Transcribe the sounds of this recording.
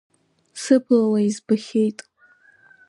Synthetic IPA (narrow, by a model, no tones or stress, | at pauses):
sɨpʰlawaizbaχʲe̞jtʼ